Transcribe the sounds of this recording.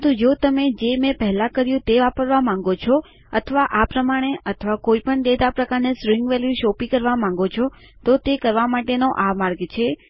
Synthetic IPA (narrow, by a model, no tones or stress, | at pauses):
t̪ũd͡ʒot̪əmed͡ʒemẽpəɦɛlãkəɾjũt̪eʋapəɾʋamãŋ̆ɡot͡ʃʰɔ | ət̪ʰəʋaʔapɾəmaɽ̃eʔət̪ʰʋakoipəɳd̪ed̪apɾəkaɾnesɾɪ̃ŋɡʋɛljuʃopikəɾʋamãŋ̆ɡot͡ʃʰɔ | t̪ot̪ekəɾʋamaʈenoʔamaɾɡt͡ʃʰe